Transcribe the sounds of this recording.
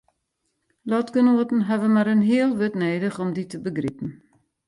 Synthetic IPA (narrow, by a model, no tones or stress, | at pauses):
lɔtɡənoətn̩ɦɛvənmaɾənɦiəlˠʋøtneːdəχɔmditəbəɡripən̩